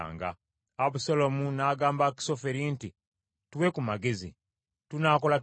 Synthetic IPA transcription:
ŋɡa̰ː | βusalomunaːɡaːmbaki̥so̞feɾinti | twekumaɡe̞zḭ | tunaːko̞lat

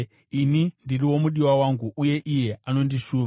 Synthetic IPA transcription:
inindiriwo̞muɗiwawaŋɡuʔuje̞ʔije̞ano̞ndiʃuː

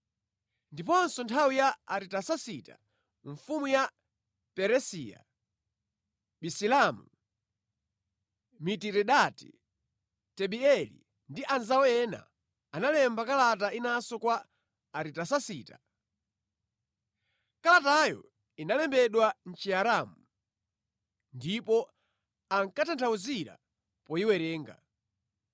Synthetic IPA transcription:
ndip̬ɔnsɔntʰawijaaɾitasasitḁ̰ | ɱfumuja | pɛɾɛsija̰ | ɓisilamṵ | mitiɾɛɗatḭ | tɛɓiɛlḭ | ndiʔanzawɔjɛna̰ | analɛmbakalatainasɔkwaː | ɾitasasiːta | kalatajɔ̰ | inalɛmbɛɗwan̩t͡ʃiaɾamu | ndipɔ | aŋkatʰantʰauziɾa̰ | pɔiwɛɾɛːŋɡa̰

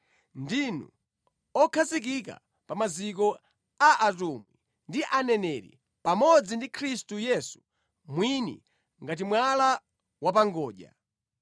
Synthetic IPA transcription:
ndinṵ | ɔkʰazik̬ika̰ | pamazik̬ɔ | aʔatumwi | ndiʔanɛnɛɾḭ | pamɔd͡zindikʰɾistujɛsu̥ | mwinḭ | ŋɡat̬imwala | wap̬aŋɡɔːʄa̰

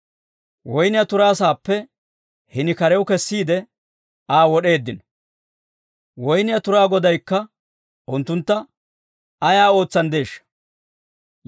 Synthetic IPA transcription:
wɔjnɪjɐt̪ʊɾaːsaːpːɛ | hɪnɪkɐɾɛwʊkɛsːiːd̪ɛ | aːwɔɗe̞ːd̪ːɪnɔ | wɔjnɪjɐt̪ʊɾaːɡɔd̪ɐjkːɐ | ʔʊnt̪ːʊnt̪ːɐ | ɐjaːo̞ːt͡sːɐnd̪e̞ːʃːɐ̥

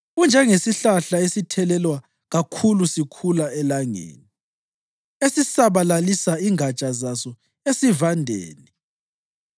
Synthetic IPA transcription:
und͡ʒʱɛŋesiɬaɬaesitʰɛlɛlwa | ɣakʰulusikʰulaɛlaŋḛːni | esisaβalalisaiŋʱat͡ʃʼazasɔ | esivandʱḛːni

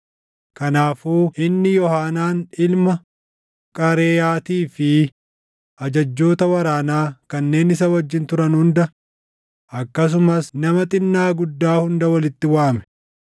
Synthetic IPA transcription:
kɐnaːfuːʔɪnːɪjɔhaːnaːnɪlmɐ | kʼɐɾeːjaːt̪iːfɪ | ʔɐd͡ʒɐd͡ʒːo̞ːt̪ɐwɐɾaːnaːkɐnːe̞ːnɪsɐwɐd͡ʒːɪnt̪ʊɾɐnhʊnd̪ɐ | ʔɐkːɐs̬ʊmɐsnɐmɐt̪ʼɪnːaːɡʊd̪ːaːhʊnd̪ɐwɐlɪt̪ːɪwaːmɛ̥

